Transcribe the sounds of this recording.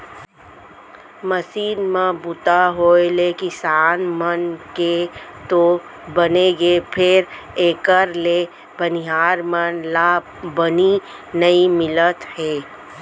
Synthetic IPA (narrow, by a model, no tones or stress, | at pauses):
məsiːnmãbʊt̪aɦoːelekɪsaːnmənket̪o | bəneɡepʰɪɾ | eːkəɾle | bəniɦaːɾmənla | bəni | nəimɪlət̪heː